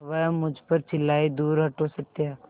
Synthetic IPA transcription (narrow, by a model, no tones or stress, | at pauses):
ʋɛmʊd͡ʒʱpɐɾt͡ʃʰɪlːaːid̪uːɾɦɐʈosɐt̪eaː